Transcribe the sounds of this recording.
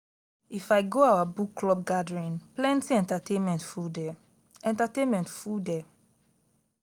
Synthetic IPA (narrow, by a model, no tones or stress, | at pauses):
ifajɡoawabukːlɔb̚ɡadɹĩnplɛ̃ntiɛ̃ntatẽnmɛ̃ntfudɛ | ɛ̃ntatẽnmɛ̃ntfudɛ